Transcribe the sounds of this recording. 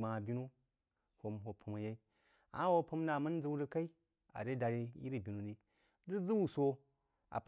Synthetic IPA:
ma˨bi˦nu˦ | ho˨mho˨pʰu˨ma˨je˦i˦ | a̰˨˦wo˦pu˦m˦na˨mɨ˦n˦d͡zɨ˦wɾi˦ka˦i˦ | a̰˨ɾe˦da˨ɾi˦ji˦ɾi˨bi˨nu˨ni˨ | ɾi˦d͡zɨ˦wu˦˨so˦ | a̰˨p

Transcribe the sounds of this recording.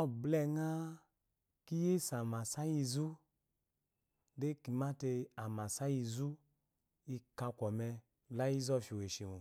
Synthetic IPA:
ɔ˦blɛ˧˨ŋa˦ | ki˦je˦˨sa˨ma˨sa˦ji˧zu˦ | de˦ki˨ma˦te˧a˨ma˨sa˦ji˧zu˦ | i˧ka˧kʷɔ˨mɛ˧˨ | la˦i˦zɔ˦˨fi˨we˨ʃi˨mu˨

